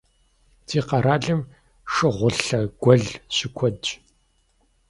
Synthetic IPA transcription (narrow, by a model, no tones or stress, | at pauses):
tʰiːqɐɾaːɮɨm | ʂɨʁʷʊɬɐɡ̥ʷɔɮɕɪkʷʰɔd